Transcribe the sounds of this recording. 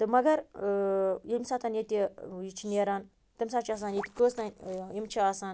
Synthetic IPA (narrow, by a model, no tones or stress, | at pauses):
t̪ɨmɐɡɐɾ | jimsaːt̪aːnjet̪ʲijit͡ʃʰineːɾaːn | t̪ɨmsaːt͡ʃʰias̬aːnjet̪ʲi̥kosnanjimt͡ʃʰiaːsaːn